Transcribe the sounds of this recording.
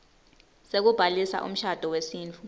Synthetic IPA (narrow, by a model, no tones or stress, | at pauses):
sek̬ub̥ʱalisa̰ʔṵm̩ʃad̥ʱɔwesiːnt͡fʰu